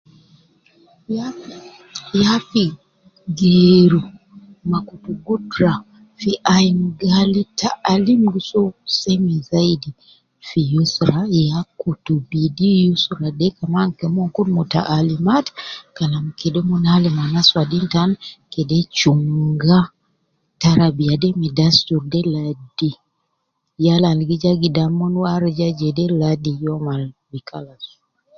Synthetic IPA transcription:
jafi | ɡɛɾu | makupuɡutɾa | fiʔaim̩ɡalitaːlim̩ɡisɔsɛmizaidi | fijusɾajakutubidijusuɾadɛkamaŋkɛmɔŋkunmuta̰ʔalimatkalamkidɔmunalemanaswadintankɛdɛt͡ʃuŋɡa | taɾabiadɛmidastuɾdɛladi | jalalɡid͡ʒaɡidamɔnwaɾid͡ʒad͡ʒɛdɛladijɔmalbikʰalasu̥

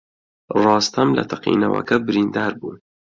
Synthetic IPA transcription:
rˤɑːst̪ɐmlɐ̰t̪ʰɐqḭːnɐwɐ̰kɐbɪɾiːnd̪ɑːɾbuːn

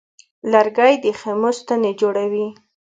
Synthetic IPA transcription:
laɾɡajd̪əxemost̪aned͡ʒoɽawi

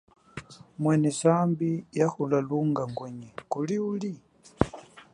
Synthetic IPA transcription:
mwɛnɛsambijaxulaluŋɡaŋɡwɛɲɛkuliuli

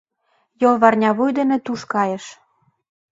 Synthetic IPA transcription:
jolβɑrnʲɑβujd̪ə̆nĕt̪uʃkɑjə̆ʃ

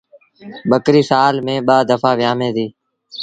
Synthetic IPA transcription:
ɓəkɾiːsaːlmẽːɓaːd̪əfaːʋɪjaːmẽːd̪iː

